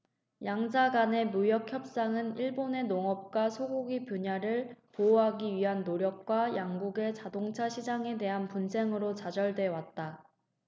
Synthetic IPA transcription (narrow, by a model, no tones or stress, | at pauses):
jaŋd͡ʑaɡane̞mujʌkʰçjʌp̚s͈aŋɯniɭbone̞noŋʌp̚k͈wasʰoɡoɡipjoɲaɾɯɭpooɦaɡiɥiɦanːoɾjʌk̚k͈wajaŋɡuɡe̞t͡ɕadoŋt͡ɕʰaɕʰid͡ʑaŋe̞de̞ɦanpunsʰe̞ŋɯɾot͡ɕad͡ʑʌɭdwe̞wat̚t͈a